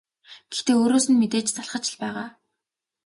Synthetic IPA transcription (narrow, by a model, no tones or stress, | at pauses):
ɡ̥ext̪eːoːɾoːsɘ̆nmet̪eːt͡ɕt͡saɮχə̆t͡ɕɪ̆ɮpæːʁaː